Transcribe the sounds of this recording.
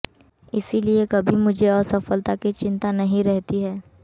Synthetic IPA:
ɪsiliekɐbʱimʊd͡ʒʱeɔːɾsɐfəlt̪akit͡ʃɪ̃nt̪anɐɦĩɾɛɦt̪iɦɛː

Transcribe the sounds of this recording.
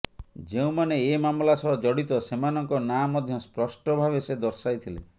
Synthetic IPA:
d͡ʒeũmaneːmamlasɔɦɔd͡ʒɔɽit̪ɔsemanɔŋkɔnamɔd̪ʱjɔspɾɔʃʈɔbʱaβesed̪ɔɾsajt̪ʰilḛ

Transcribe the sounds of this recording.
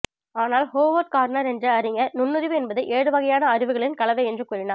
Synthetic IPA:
aːnaːlhoːʋɐɾ̚kaːɾnɐɾɛndrɐɐɾɪŋɡɐnʊnːɯɾɪʋɯɛnbɐðɯʔeːɽɯʋɐɣɐjaːnɐɐɾɪʋɯɣɐɭɪnkɐɭɐʋɐɛndrɯkuːɾɪnaː

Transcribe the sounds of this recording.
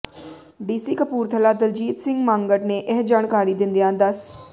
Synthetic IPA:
ɖiːsiːkəpuːɾt̪ʰəlaːd̪əld͡ʒiːt̪sɪ̃ŋɡmãːŋɡəʈneːʔɛɦd͡ʒaːnkaːɾiːd̪ɪ̃nd̪ijãːd̪əs

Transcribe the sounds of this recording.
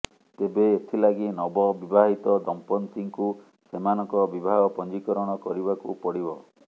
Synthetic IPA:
t̪ebeːt̪ʰilaɡinɔbɔbibaɦit̪ɔd̪ɔmpɔnsiŋku | semanɔŋkɔbibʱaɡɔpɔnd͡ʒikɔɾɔɽ̃ɔkɔɾibakṵpɔɽibɔ

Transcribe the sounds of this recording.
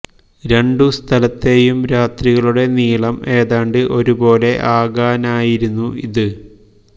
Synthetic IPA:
ɾe̞ɳɖust̪ʰɐlɐt̪ːe̞jumɾaːt̪riɣɐɭuɽe̞niːɭɐme̞ːðaːɳɖɨʔo̞ɾubo̞ːle̞ʔaːɡaːnaːjiɾunːuʔiðɨ

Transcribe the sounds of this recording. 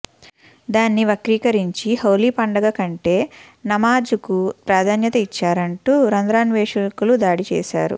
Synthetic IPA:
d̪aːnːiʋɐkɾiːkɐɾiɲt͡ʃihɐwliːpɐɳɖɐɡɐkɐɳʈe̞ː | nɐmaːd͡ʒukupɾaːd̪ʱaːnjɐt̪ɐit͡ʃːaːɾɐɳʈuːɾɐnd̪ɾaːnʋeːʂɐkulud̪aːɽit͡ʃɛ̰ːʃa̰ːɾṵ

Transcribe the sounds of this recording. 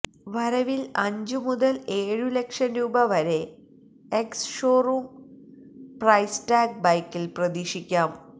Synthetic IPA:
ʋɐɾɐʋilɐɲd͡ʑumuðɐleːɻule̞kʂɐnɾuːbɐʋɐɾe̞ | eksʂoːruːm | prɐjstaːɡ̚bɐjkːilprɐd̪iːʂikʲːaːm

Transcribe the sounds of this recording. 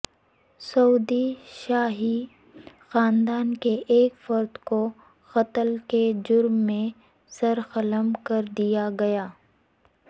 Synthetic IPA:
sɐuːd̪iʃaːɦi | xaːnd̪aːnkeʔeːkfɐɾd̪ko | xɐt̪əlked͡ʒʊɾmːẽ | sɐɾxɐləmkɐɾd̪ijaɡɐjaː

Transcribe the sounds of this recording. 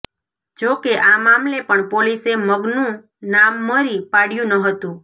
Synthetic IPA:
d͡ʒokeʔamamlepəɳpoliseməɡnũ | namːəɾipaɽjũnəɦət̪ũ

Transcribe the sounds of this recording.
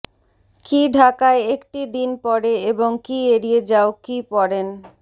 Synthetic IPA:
kiɖʱakaeekʈid̪inpɔɾeeboŋkieɾied͡ʑaokipɔɾen

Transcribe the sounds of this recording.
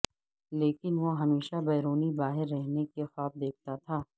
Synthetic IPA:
leːkɪnʋoɦɐmeːʃabɛːɾoːnibaːɦɪɾːɛɦnekexaːb̚d̪eːk̚ʰt̪at̪ʰaː

